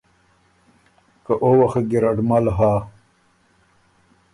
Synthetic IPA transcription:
kɐʔowɐxɡiɾɐɖmɐlɦaː

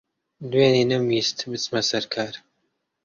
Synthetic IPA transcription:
d̪weːninɨmiːst̪bɨt͡smɐsɐɾkʰaːɾ

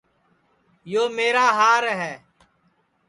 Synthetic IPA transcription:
joːmeːɾaːɦaːɾɦɛː

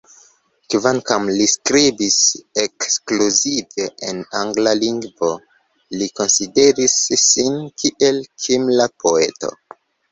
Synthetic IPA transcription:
kvaŋkamliskɾibisekskluzive̞ʔenaŋɡlaliŋɡvo̞ | liko̞nside̞ɾisːinkʰiʔe̞lkʰimlapo̞e̞̰to̞̰

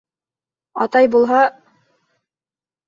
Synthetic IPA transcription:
ɑ̰t̪ɑjbulˠɦɑ

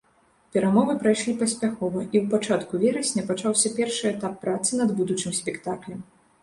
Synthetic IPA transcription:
pʲɛɾamɔvɨpɾajʂlʲipɐsʲpʲaxɔvɐʔiwpat͡ʂat̪kuvʲɛɾɐsʲnʲɐpat͡ʂawsʲɐpʲɛrʂɨɛt̪apːɾat̪sɨnɐd̪bud̪ut͡ʂɨmsʲpʲɛkt̪aklʲɐm

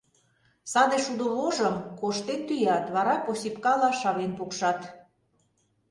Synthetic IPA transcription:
sɑd̪eʃud̪ŏβoʒəmkoʃt̪ett̪ːyjɑt̪βɑɾɑposʲipkɑlɑʃɑβenpukʃɑt̪

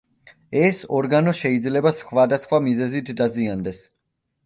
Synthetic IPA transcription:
ɛsɔɾɡanɔʃɛid̪zlɛbasχvad̪asχwamizɛzit̪ʰd̪aziand̪ɛs

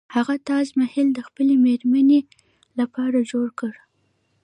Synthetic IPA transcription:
haɣat̪ɑzmahɪld̪əxpəlemeɾmane | lapɑɾad͡ʒoɽkəɽ

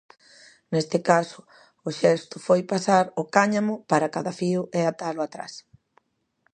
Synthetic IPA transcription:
nest̪ɪkasʊ | ʊʃɛst̪ʊfojpasaɾʊkaɲamʊpaɾakaðafiʊʔɛat̪alʊat̪ɾa̰s

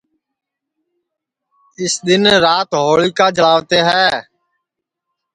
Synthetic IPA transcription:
ɪsɗ̪ɪnɾaːt̪ɦoːɭiːkaːd͡ʒəlaːʋt̪eːɦɛː

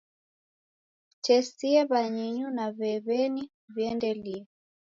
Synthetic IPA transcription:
t͡ʃɛsiɛβaɲiɲunaβɛβɛni | viɛndɛliɛ

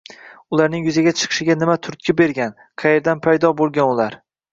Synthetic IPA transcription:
ʊlaɾnɪŋjʊzaɡʲat͡ʃʰɨ̥qʰɨ̥ʃɪɡʲanɪmat̪ʰʊɾt̪̚kʲʰɪbeɾɡʲan | qʰɑje̞ɾd̪anpʰajd̪ɒbolˠɡʲanʊlaɾ

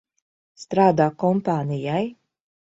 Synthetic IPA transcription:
st̪ɾaːd̪aːkɔmpaːnijaj

